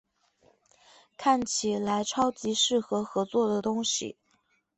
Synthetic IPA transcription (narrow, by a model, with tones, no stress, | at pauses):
kʰa˥˩nt͡ɕʰi˨˩la˧˥ɪʈ͡ʂʰɑ˥ʊt͡ɕi˧˥ʂɻ̩˥˩xɤ˧˥xɤ˧˥t͡swɔ˥˩d̪ə˩t̪ʊ˥ŋɕḭ˨˩